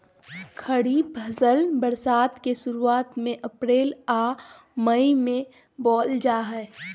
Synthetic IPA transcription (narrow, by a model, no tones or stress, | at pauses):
kʰəɽiːbʱɐzəlbəɾsaːt̪keʃʊɾuaːt̪mẽʔɐpɾeːlaː | məimẽ | bɔːld͡ʒaːɦɛː